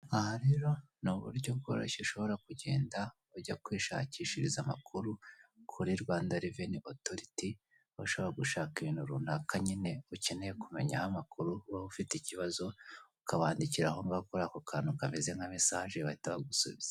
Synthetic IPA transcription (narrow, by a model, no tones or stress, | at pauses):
ahaɾe̞ɾo̞ | nuβṵɾɟo̞b̚ɡo̰ːɾo̰ʃeʃo̞βo̞ɾakuɟe̞̰ːnda | uɟakwiːʃa̰ːciːʃiɾizama̰kʰuɾukʰuɾiɾɡwaːndaɾiveniʔoto̞ɾiti | βaʃo̞βo̞ɾaɡuʃaːkiβinuɾuːnakaɲine̞uce̞nejekume̞ɲahamakuɾuβaufiticiβazo̞ukaβaːndiciɾahoŋɡakuɾaːkokʰaːnukamezeŋɡamisaːʒeβaitaβaɡusṵβiz̥ḁ